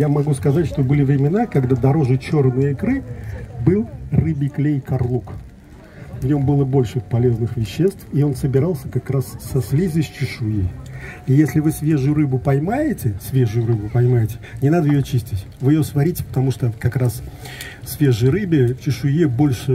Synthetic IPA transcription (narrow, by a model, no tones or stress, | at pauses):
jamɐɡuskɐzatʲʂt̪o̞bɨlʲɪvɾʲɪmʲɪnakɐɡd̪ad̪ɐɾo̞ʐɨt͡ɕo̞rnɨjəɪkɾɨbɨlˠrɨbʲɪklʲejkɐrlˠuk | vnʲo̞mbɨlˠəbo̞lʲʂɨpɐlʲe̞znɨxvʲɪɕːe̞st̪fɪo̞nsəbʲɪɾalˠsʲəkɐkɾassɐsʲlʲizʲɨsʲt͡ɕɪʂʊjeijesʲlʲɪvɨsvʲe̞ʐʊjʊɾɨbʊpɐjmajɪtʲɪsʲvʲe̞ʐʊjʊɾɨbʊpɐjmajɪtʲɪ̥nʲɪnad̪əjɪjot͡ɕisʲtʲɪtʲvɨjɪjosvɐɾʲitʲɪ̥pə̥t̪ɐmuʂt̪əkɐkɾas | sʲvʲeʐɨjɾɨbʲɪt͡ɕɪʂʊjebo̞lʲʂɨ